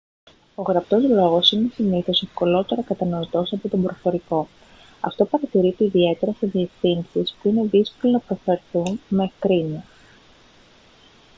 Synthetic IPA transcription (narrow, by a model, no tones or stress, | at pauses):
o̞ɣɾɐp̚t̪o̞zlo̞ɣo̞sinesiniθo̞se̞fko̞lo̞t̪e̞ɾɐkɐt̪ɐno̞it̪o̞sɐpo̞t̪o̞mbɾofo̞ɾiko̞ | ɐ̰ft̪o̞pɐɾɐt̪iɾit̪iːðie̞t̪e̞ɾɐseðie̞fθinsispuine̞ðisko̞lonɐpɾo̞fe̞ɾθunmekɾines